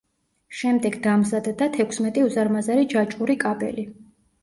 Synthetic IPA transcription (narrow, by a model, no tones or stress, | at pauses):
ʃɛmd̪ɛɡd̪amzad̪d̪at̪ʰɛkʰsmɛt̪ʼiuzaɾmazaɾid͡ʒat͡ʃʼuɾikʼabɛ̰li